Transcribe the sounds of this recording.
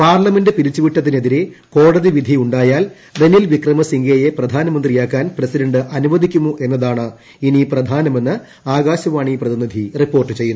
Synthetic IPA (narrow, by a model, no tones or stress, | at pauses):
paːrlɐme̞ndɨpiɾit͡ɕːuʋiʈːɐt̪̬ːine̞ðiɾeko̞ːɽɐðiʋid̪ʱiuɳɖaːjaːl | d̪enilʋikrɐmɐsiŋɡejeprɐd̪ʱaːnɐmɐnd̪rijaːkːaːnprɐsidɐɳɖɨʔɐnuʋɐd̪ʱikʲːumuʔe̞nːɐðaːɳɨ | iniprɐd̪ʱaːnɐmenːɨ | aːɣaːɕɐʋaːɳiprɐðinid̪ʱiripːo̞ːrʈːɨt͡ɕe̞jːunː